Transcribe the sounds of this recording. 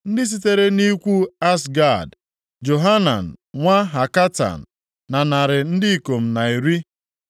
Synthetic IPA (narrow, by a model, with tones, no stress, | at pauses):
n̩˦dɪ˦s̬i˦te˦ɾe˦ni˦kʷu˦a˦sɡa˦˨d | d͡ʒo˨ɦa˦na̰˨n̩˨ŋʷa˦ɦa˨ka˦ta̰˨n̩˨ | na˨na˨ɾɪ˨n̩˦dɪ˦i˨ko˨m̩˨na˨i˨ɾi˦